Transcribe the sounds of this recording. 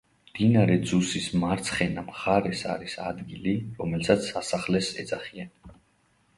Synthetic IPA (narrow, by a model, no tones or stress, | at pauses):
md̪̥inaɾɛd̪zusismaɾt̪sʰχɛnamχaɾɛsa̰ɾisa̰d̪ɡiliɾɔmɛlsʰat̪sʰːasaχlɛsɛ̰d̪zaχian